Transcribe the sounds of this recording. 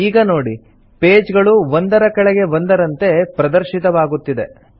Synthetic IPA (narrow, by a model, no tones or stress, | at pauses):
iːɡɐno̞ːɽi | pe̞ːd͡ʒɡɐɭuʋond̪ɐɾɐkɐɭɛɡe̞ʋond̪ɐɾɐnt̪e̞pɾɐd̪ɐɾʃit̪ɐʋaːɡut̪ːid̪e̞̰